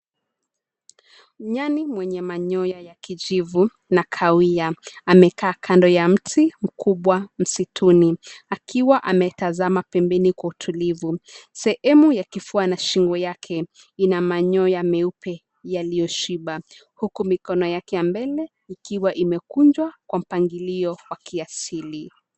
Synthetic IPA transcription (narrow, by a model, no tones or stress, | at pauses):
ɲanimwɛɲɛmaɲɔjajakiʄivu | nakʰawiaamɛkaːkʰandɔjam̩tʰim̩kʰuɓwam̩sitʰuniakʰiwaʔamɛtazamapɛmbɛnikwautʰulivusɛhɛmujakifuanaʃiŋɡɔjakʰɛ | inamaɲɔjamɛupʰɛ | jalijɔʃiɓa | hukumikɔnɔjakɛjambɛlɛ | ikiwaʔimɛkund͡ʒwakwam̩paŋɡiliɔwakiasili